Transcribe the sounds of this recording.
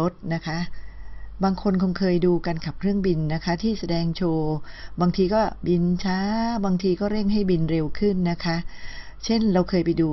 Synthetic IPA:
o˦˥t̪̚na˦˥kʰa˦˥ʔbaː˧ŋkʰo˧nkʰo˧nkʰɤː˧jduː˧ka˧nka˨˩p̚kʰɾɯ˥˩əŋbi˧nːa˦˥kʰa˦˥t̪ʰiː˥˩sa˧dɛː˧ŋt͡ɕʰoː˧baː˧ŋt̪ʰiː˧kɔː˥˩bi˧nt͡ɕʰaː˦˥baː˧ŋt̪ʰiː˧kɔː˥˩ɾe˥˩ŋɦa˥˩jbi˧nɾe˧wkʰɯ˥˩nːa˦˥kʰa˦˥ʔ | t͡ɕʰe˥˩nɾa˧wkʰɤː˧jpa˧jduː˧

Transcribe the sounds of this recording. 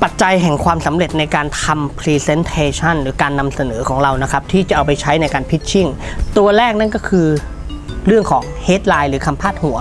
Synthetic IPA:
pa˨˩t̪̚t͡ɕa˧jɦɛ˨˩ŋkʰwaː˧msa˩˦mɾe˨˩t̪̚na˧jkaː˧nt̪ʰa˧mpʰɾiː˧se˧˥nt̪ʰeː˧t͡ɕʰa˥˩nɾɯː˩˦kaː˧nːa˧msa˧nɤː˩˦kʰɔː˩˦ŋɾa˧wna˦˥kʰa˦˥p̚t̪ʰiː˥˩t͡ɕa˨˩ʔa˧wpa˧jt͡ɕʰa˦˥jna˧jkaː˧npʰi˦˥t̪̚t͡ɕʰi˥˩ŋt̪u˧ɐɾɛː˥˩k̚na˥˩nkɔː˥˩kʰɯː˧ | ɾɯ˥˩əŋkʰɔː˩˦ŋheː˦˥t̪̚laː˧jɾɯː˩˦kʰa˧mpʰaː˥˩t̪̚hu˩˦ɐ

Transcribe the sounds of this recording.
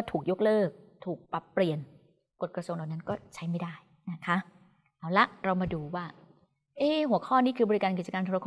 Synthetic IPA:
kɔ˥˩t̪ʰuː˨˩k̚jo˦˥k̚lɤː˥˩k̚t̪ʰuː˨˩k̚pɾa˨˩pːli˨˩ən | ko˨˩t̪̚kɾa˧su˧ŋda˨˩wna˦˥nkɔː˥˩t͡ɕʰa˦˥jma˥˩jdaː˥˩j | na˦˥kʰa˦˥ | laː˨˦wla˦˥ɾa˧wmaː˧duː˧waː˥˩ | ʔeː˥˩hu˨˩˦əkʰɔː˥˩niː˥˩kʰɯː˧bɔː˧ɾi˦˥kaː˧nki˨˩t͡ɕa˧kaː˧t̪ʰu˧ɾa˧kʰː

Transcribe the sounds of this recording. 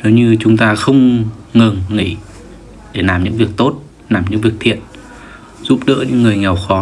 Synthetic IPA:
no˨˦ɲɨ˧t͡ɕʊ˨˦ŋ͡mt̪aː˧xə˧wŋ͡mŋɨ˨˩ŋːḭ˧˥˩ | ɗe˧˩naː˨˩mɲɨ̰˧˥ŋvi˨˩ək̚t̪o˦˥t̚ | naː˨˩mɲɨ̰˧˥ŋvi˨˩ək̚t̪ʰḭ˧˨ən | z̥u˦˥p̚ɗə̰ː˧˥ɲɨ̰˧˥ŋːɨ˨˩əjŋɛ˨˩wxɔ˨˦

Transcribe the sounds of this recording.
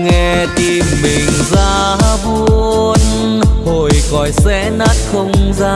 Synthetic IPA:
ŋɛ˧t̪i˧mːï˨˩ŋ̟zaː˧˦ɓu˧n | ho˨˩jkɔ˨˩jsɛ̰˧˥na˦˥t̚xə˧wŋ͡mzaː˧

